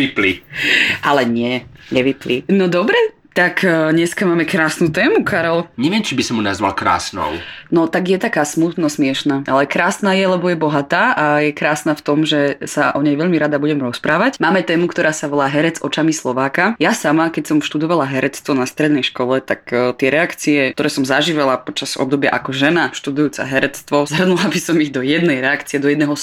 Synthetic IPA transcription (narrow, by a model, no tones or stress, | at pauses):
ʋipliʔalɛɲɪɛɲɛʋiplinɔd̪ɔbɾɛ | t̪akɲɛskamaːmɛkɾaːsnuːt̪ɛːmukaɾɛlɲɛʋɪɛmt͡ʃibisɔmːunazʋa̰lkɾa̰ːsnɔ̰ʊnɔt̪aɡjɛt̪akaːsmut̪nɔsmɪɛʃnaːʔalɛkɾaːsnaːjɛlɛbɔjɛbɔɦat̪aːʔajɛkɾaːsnaːft̪ɔmʒɛsaʔɔɲɛjʋɛʎmiɾad̪abuɟɛmɾɔspɾaːʋacmaːmɛt̪ɛːmukt̪ɔɾaːsaʋɔlaːɦɛɾɛd͡zɔt͡ʃamislˠɔʋaːkajasamakɛcsɔmfʃt̪ud̪ɔʋalaɦɛɾɛt͡st̪ʋɔnast̪ɾɛd̪nɛjʃkɔlɛt̪akt̪ɪɛɾɛakt͡siɛt̪ɔɾɛːsɔmzaʒiːʋɛlapɔt͡ʃaz̥ɔ̰b̚d̪ɔbja̰ʔakɔʒɛnaʃt̪ud̪ujuːt͡sa̰ɦɛɾɛt͡st̪ʋɔzɦrnulabisɔmiɣd̪ɔjɛd̪nɛjɾɛakt͡siɛd̪ɔjɛd̪nɛːɦɔ